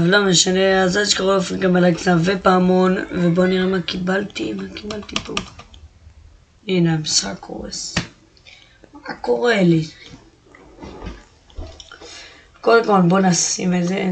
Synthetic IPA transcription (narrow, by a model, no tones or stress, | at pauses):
valomeʃaneazaʃkaʁoofeɡamalaksavepaːmonvebo̞niʁemakibalt̪imakibalt̪ipo | inamsako̰ʁḛs | akoʁeli | kodemkolbonasimeze